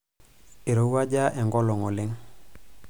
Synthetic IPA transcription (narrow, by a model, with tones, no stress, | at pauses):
e˨ɾo˨u˦a˦ɟa˦ʔɛ˨ŋɡɔ˦lɔ˨ŋɔ˨le˦ŋ